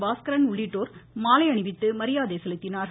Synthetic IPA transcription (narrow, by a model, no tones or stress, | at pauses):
ʋaːskɐɾɐnʊɭːiʈːoːɾmaːlɐɪɐɳɪʋɪt̪ːɯmɐɾɪjaːðeːsɛlɯt̪ːɪnaːɾ